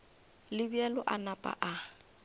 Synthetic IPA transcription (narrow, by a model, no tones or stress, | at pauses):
lɪbiɛlɔʔanapʼa̰ʔa